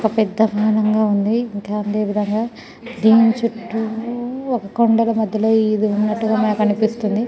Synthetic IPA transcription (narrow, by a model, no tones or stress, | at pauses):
kɐpɛd̪ːɐbʱaːɐnɐŋɡaːund̪iːŋkaːɐnd̪e̞ːʋid̪ʱɐŋɡaː | d̪iːnt͡ʃuʈːuɔkɐkoɳɖɐlɐmɐd̪ʱjɐlo̞ːiːd̪iunːɐʈːuɡaːmɐnɐkɐnipist̪und̪i